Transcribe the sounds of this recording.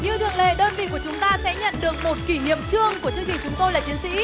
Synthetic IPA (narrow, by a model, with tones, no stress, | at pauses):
ɲɨ˧t̪ʰɨ̰˧˨əŋlḛ˧˨ɗəː˧nvḭ˧˨ku˧˩ət͡ɕʊ˨˦ŋ͡mt̪aː˧sɛ̰˧˥ɲə̰˧˨nɗɨ˨˩ək̚mo˨˩t̚ki˧˩ɲḭ˧˨əmt͡ɕɨ˧əŋku˧˩ət͡ɕɨ˧ŋt͡ɕï˨˩ŋt͡ɕʊ˨˦ŋ͡mt̪o˧jlaː˨˩t͡ɕi˨˦ənsḭ˧˥